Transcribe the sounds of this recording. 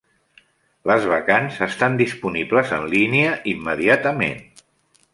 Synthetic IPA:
ləzβ̞əkanzəst̪and̪ispunibləzə̰nliniəʔimːəðiat̪əmḛn

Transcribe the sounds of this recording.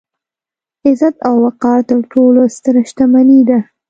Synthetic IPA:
ɪzat̪awːaqɑɾt̪əɾʈolost̪əɾʃt̪amanid̪a

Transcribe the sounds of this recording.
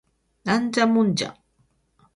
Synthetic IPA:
nant͡samʊnt͡ʃa̰

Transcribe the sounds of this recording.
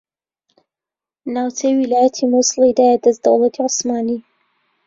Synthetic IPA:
naːwtʰejwilaːjɐt̪ʰimuslˠid̪aːjɛd̪ɐzd̪ɐwlˠɐt̪ʰiʕʊsmaːni

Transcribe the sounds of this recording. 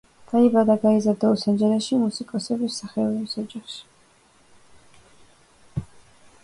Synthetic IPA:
d̪̥aibad̪aɡaizaɾd̪ausɛnd͡ʒɛɾɛʃimusikʼɔsɛbisaχɛɔɾɛisɔd͡ʒaχʃi̥

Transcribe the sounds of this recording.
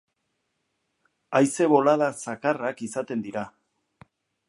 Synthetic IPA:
ajse̞βo̞laðasakarakisat̪e̞nd̪iɾa

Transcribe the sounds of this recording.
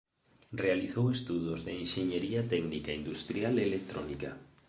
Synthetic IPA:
realiθowest̪uðʊzðeenʃeɲeɾiat̪ɛɡnikaind̪ust̪ɾjaleːlek̚t̪ɾo̰nika

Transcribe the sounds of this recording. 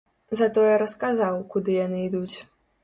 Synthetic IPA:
zɐt̪ɔjɛɾɐskazawkud̪ɨjanɨid̪ut͡sʲ

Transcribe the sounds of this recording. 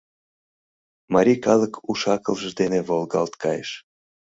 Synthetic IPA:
mɑɾʲikɑləkuʃɑkəlʒəʒd̪eneβolˠɣɑ̰lt̪kɑ̰jḛʃ

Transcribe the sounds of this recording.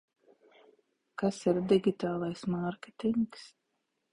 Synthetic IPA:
kasiɾd̪iɡʲit̪aːlˠajsmaɾkʲet̪iŋks

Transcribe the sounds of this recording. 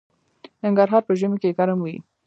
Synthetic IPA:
naŋɡaɾɦɑɾpəʒəmekekaɾamwḭ

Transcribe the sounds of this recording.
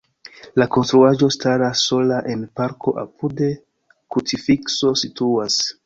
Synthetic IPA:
lako̞nstɾuaʒo̞staɾasːo̞laʔe̞npaɾkʰo̞ʔa̰pude̞ | kut͡sifikso̞situas

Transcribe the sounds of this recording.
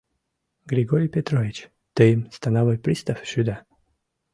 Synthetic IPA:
ɡɾʲiɡoɾʲijpʲet̪ɾovʲit͡ɕ | t̪ɨimst̪anavɔjpɾʲist̪afɕyd̪a

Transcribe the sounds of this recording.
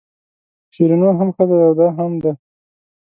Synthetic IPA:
ʃiɾinoɦamxəd̪aawd̪ɑɦamd̪a

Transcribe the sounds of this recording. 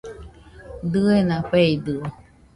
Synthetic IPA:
d̪ɯenãpeid̪ɯ

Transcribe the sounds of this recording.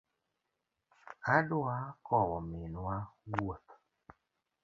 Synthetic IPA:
adʊakɔwɔmɪnwawot̪

